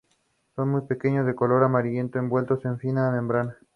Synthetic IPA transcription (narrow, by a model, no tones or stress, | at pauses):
so̞nmujpe̞ke̞ɲozðe̞kolo̞ɾamaɾiʎe̞nt̪oembwe̞lt̪ose̞ɱfinaðemẽmbɾana